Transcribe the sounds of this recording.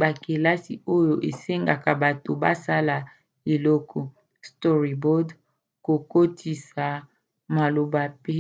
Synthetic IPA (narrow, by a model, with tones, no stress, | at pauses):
ba˨ke˨la˦si˨o˦jo˨ʔe˨se˦ŋɡa˨ka˨ba˨to˨ba˦sa˦la˨ | e˨lɔ˦kʰɔ˨ | stɔ˦ʁi˨bɔ˦d | ko˨ko˦tʰi˨sa˨ | ma˨lo˨ba˨pe˦